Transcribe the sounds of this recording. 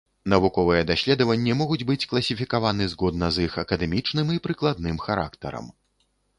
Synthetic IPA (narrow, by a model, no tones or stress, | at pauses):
nɐvukɔvɨjɛd̪asʲlʲɛd̪ɐvɐnʲːɛmɔɣud͡zʲbɨt͡sʲklˠɐsʲifʲikavanɨzɣɔd̪nɐzixɐkɐd̪ɛmʲit͡ʂnɨmipɾɨklˠad̪̚nɨmxaɾa̰kt̪ɐ̰ɾɐ̰m